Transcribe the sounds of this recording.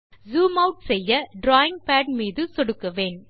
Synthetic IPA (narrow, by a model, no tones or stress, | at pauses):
zuːmɐʊʈsɛjːɐɖɾaːjɪŋɡpaːɖmiːðɯsɔɽɯkːɐʋeːn